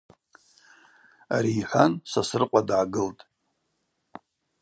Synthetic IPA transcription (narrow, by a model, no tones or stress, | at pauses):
aɾiːħʷansasɨrqʷʼadʕaɡɨltʼ